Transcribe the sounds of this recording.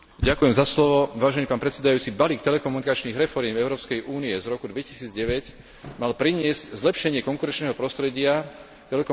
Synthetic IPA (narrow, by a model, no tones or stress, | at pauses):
ɟakujɛmzaslɔʋɔʋaːʒɛnipaːnpɾɛt̪sɛd̪ajuːt͡sibaliːk̚t̪ɛlɛkɔmunikat͡ʃniːɣɾɛfɔɾjɛmɛʊɾɔːpskɛjʔuːniɛzɾɔkud̪ʋɛci̥siːd͡zɟɛʋɛc | malpɾiɲɪɛzczlɛpʃɛɲɪɛkɔŋkuɾɛnt͡ʃnɛːɦɔpɾɔst̪ɾɛɟɪa | t̪ɛlɛkɔ